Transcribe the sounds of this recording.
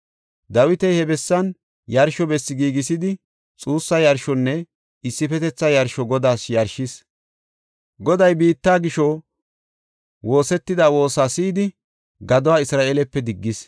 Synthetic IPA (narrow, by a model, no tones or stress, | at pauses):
d̪ɐwɪt̪ɛjhɛbɛsːɐn | jɐɾʃɔbɛsːɪɡiːɡɪsɪd̪ɪ | t͡sʼuːsːɐjɐɾʃɔnːɛ | ɪsːɪfɛt̪ɛt͡sːɐjɐɾʃɔɡɔd̪aːsjɐɾʃɪs | ɡɔd̪ɐjbiːt̪ːaːɡɪʃɔ | wo̞ːsɛt̪ːɪd̪aːwo̞ːsaːsiːd̪ɪ | ɡɐd̪ɔwaːɪsɾaːʔeːlɛpːɛd̪ɪɡːɪs